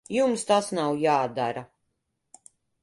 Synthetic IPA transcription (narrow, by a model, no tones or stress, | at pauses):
jumst̪asnawjaːd̪aɾa